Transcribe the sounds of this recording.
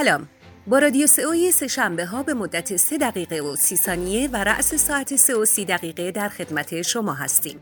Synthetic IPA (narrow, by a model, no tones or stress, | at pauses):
sælɒːm | bɒːɾɒːd̪ijose̞ojese̞ʃæmbe̞ɦɒːbe̞mod̪ːæt̪ʰe̞se̞d̪æɣiːɣe̞osiːsɒːnije̞væɾæ̰ʔse̞sɒːʔæt̪ʰe̞se̞osiːd̪æɣiːɣe̞d̪æɾxe̞d̪mæt̪ʰe̞ʃo̞mɒːɦæ̰st̪ḭːm